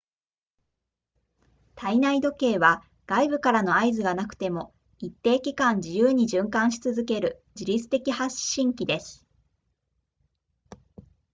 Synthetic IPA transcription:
t̪ainaid̪o̞ke̞ːβa | ɡ̥aibɯ̟kaɾano̞aizɨɡanakɯ̟̥t̪e̞mo̞ | it̪ːe̞ːkʲikãɲ̟d͡ʑijɯːɲ̟iʑɨ̃ŋkãɰ̃ɕi̥t͡sɨzɨke̞ɾɯ̟ | d͡ʑiɾʲit͡sɨ̥t̪e̞kʲihaɕːĩŋkʲid̪e̞sɨ̥

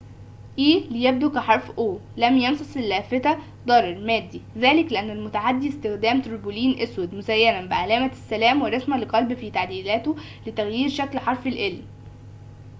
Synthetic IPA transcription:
ʔiːlejæb̚d̪ukæħɑɾˤfʔoːlæmjɑnsˤɑsˤelːæːfet̪æ | d̪ˤɑɾˤɑɾˤmæːd̪ːiðæːlɪkleʔænːælmʊt̪aʕad̪ːist̪ɪxd̪æːmt̪oɾboliːnʔeswæd̪mʊsæjːænænbeʕalæːmæsːælæːmweɾˤɑsmælqɑlbfiːt̪aʕd̪iːlæːt̪o | let̪æɣjiːɾʃæklħɑɾˤfelʔelm

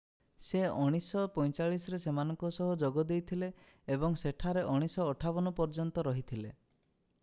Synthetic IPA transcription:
seɔɽ̃isɔpɔjt͡ʃaɭisɔɾesemanɔŋkɔsɔɦud͡ʒɔɡɔd̪ejt̪ʰileː | bɔŋseʈʰaɾeʔɔɽ̃isɔːʈʰabɔnɔpɔɾd͡ʒɔnt̪ɔɾɔɦit̪ʰile

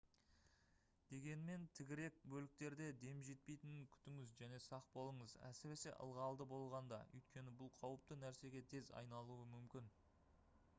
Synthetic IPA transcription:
d̪̥e̞ɡʲe̞nme̞nt̪ʰɪɡʲɪɾe̞k̚bɵlɪk̚t̪e̞ɾd̪e̞d̪e̞mʒe̞t̪̚pe̞jt̪ɪnkʲʰʏ̥t̪ɪŋɪzʒæne̞sɑq̚bo̞lˠəɴəzæ̰sɪɾe̞se̞̰ʔə̰lˠʁɑlˠd̪əbo̞lˠʁɑnd̪ɑ̰ʏ̰jt̪̚kʲe̞nɪbʊlˠqʰɑwəp̚t̪ənæɾse̞ɡʲe̞t̪ʰe̞zɑ̰jnɑlˠuəmʏmkʲɪn

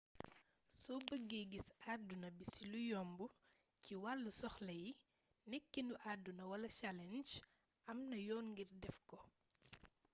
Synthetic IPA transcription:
sɔbəɡːeɡisadːunɐbisilujɔmbu | ciwalːusɔxlɐj | nɛkːinuʔadːunɐwɐlɐt͡ʃalɛnd͡ʒ | ɐmnɐjɔːnŋɡirdɛfkɔ

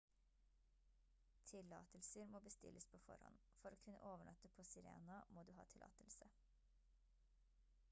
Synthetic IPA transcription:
t̪ʰɪlːɑ̰ːt̪əlsəɾmoːbəst̪ɪ̰lʔəspʰoːfɔ̰ɾhɔ̰n | fɔɾoːkʰʉnəʔoːʋəɳœt̪əpʰoːsɪɾḛːnɑmoːd̪ʉːɦɑːt̪ʰɪlɑ̰ːt̪əlsə

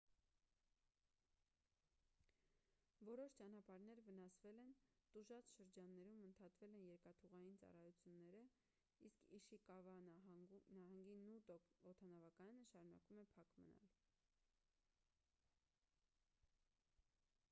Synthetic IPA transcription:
vɔɾɔʃt͡ʃɑnɑpɑɾnɛɾvən̪ɑsvɛlɛnt̪uʒɑt͡sʃəɾd͡ʒɑnːɛɾumənt̪ʰɑt̪vɛlɛnjɛɾkɑt̪ʰuʁɑjint͡sɑ̰rɑjut͡sʰjunːɛɾə | iskʰiʃikɑvɑ | nɑɦɑŋɡinut̪ɔt̪ʰɑnɑvɑkɑjɑnəʃɑɾunɑ̰kvumɛpʰɑkmə̰nɑ̰l

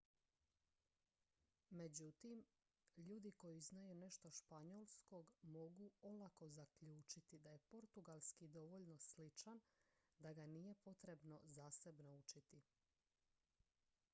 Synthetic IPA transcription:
me̞d͡ʑut̪im | ʎuːd̪iko̞jiznajune̞ʃt̪o̞ʃpaɲolˠsko̞ɡmo̞ɡuo̞lako̞zakʎuːt͡ʃit̪id̪aje̞po̞ɾt̪uɡalˠskid̪o̞ʋo̞ʎno̞slit͡ʃand̪aɡaniːje̞po̞t̪ɾe̞bno̞zaːse̞bnout͡ʃit̪i

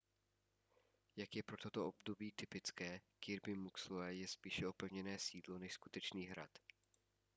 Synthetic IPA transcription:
jakjɛpɾo̞t̪o̞t̪o̞ʔobdo̞biːt̪ɪpɪt͡skɛːkɪɾbɪmuksloɛjɛspiːʃɛopɛvɲɛnɛːsiːdlo̞nɛʃsku̥t̪ɛt͡ʃniːɦɾa̰t̪

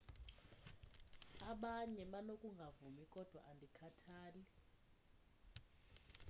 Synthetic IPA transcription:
aɓaɲɛɓanokʼuŋɡʱavumikʼɔd̥ʱwa̰ʔandʱikʰatʰaːli

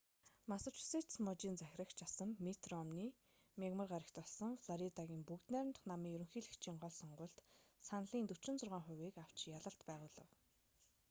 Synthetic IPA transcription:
masə̆t͡ɕset̪smɔt͡ɕiːnt͡sæxʲrə̆kt͡ɕʰasə̆mmit̪rɔmniː | mʲeɣmə̆rɢaɾʲə̆kt̪ɔɮsɞ̆ŋfɮɔɾit̪aɣʲiːmpukt̪næːɾ̆nt̪ə̥̆χnamiːjɵɾɵ̆ŋxiːɮɘkt͡ɕʰiːŋɢɔɮsɔɴɢʊːɮt̪sanɮiːnt̪ɵt͡ɕɪ̆nt͡sʊrʁaːɴχʊ̟wiːkaw̥t͡ɕjaɮə̆ɬt̪pæːʁʊːɮə̆w

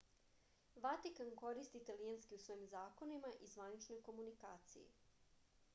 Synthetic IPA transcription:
ʋat̪ikanko̞ɾist̪iːt̪alijanskiusʋo̞jimzaːko̞nimaʔizʋanit͡ʃno̞jko̞munikaːt̪sḭjḭ

